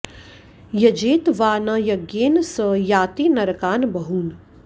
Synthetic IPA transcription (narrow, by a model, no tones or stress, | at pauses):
jɐd͡ʒeːt̪ʋaːnɐjɐɡjeːnsəjaːt̪iːnɐɾɐkaːnbɐɦuːn